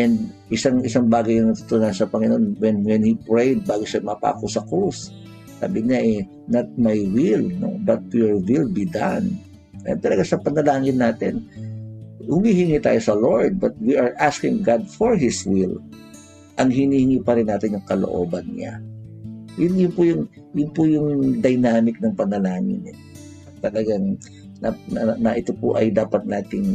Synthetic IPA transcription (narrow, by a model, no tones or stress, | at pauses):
ʔɛnd̪̚ʔɪsaŋʔɪsaŋbaːɡɐjnɐŋnɐt̪ʊt̪ʊnansɐpɐŋɪno̞nwɛnwɛnhipɹejd̪̚baːɡoʃamɐpa̰ːkosɐkɾus | sa̰ːbɪɲaʔɛ | nat̪̚majwɪlno̰bɐt̪̚joɹwɪlbid̪an | ʔɐ̰nt̪ɐlɐɡasɐpɐnɐlaːŋɪnːaːt̪ɪn | hʊmiːhɪŋit̪a̰ːjosɐloɹd̪̚bɐt̪̚wiʔɐɹʔaskɪŋɡad̪foɹɦɪswɪl | ʔɐŋɦɪniːhɪŋiːpɐɾɪnːaːt̪ɪnjʊŋkɐlo̰ʔo̞̰ːbɐnɲa̰ | jʊnjʊnpʊjʊŋ | jʊnpʊjʊŋd̪ɐjnaːmɪk̚nɐŋpɐnɐlaːŋɪ̰nɛ | ɐt̪ɐlɐɡaŋ | nɐnnɐʔɪt̪opo̰ʔɐjd̪aːpɐt̪̚naːt̪ɪŋ